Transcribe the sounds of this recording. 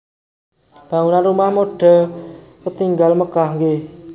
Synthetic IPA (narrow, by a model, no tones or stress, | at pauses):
b̥aŋunanrumahmoɖ̥əkət̪iŋɡalməkahŋɡɪ